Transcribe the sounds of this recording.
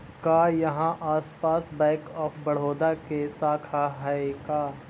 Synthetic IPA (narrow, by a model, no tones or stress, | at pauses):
kaːjɐɦãʔaːspaːsbɛ̃ːkɔːpʰbɐɽ̤oːd̪akesaːkʰaɦɐekaː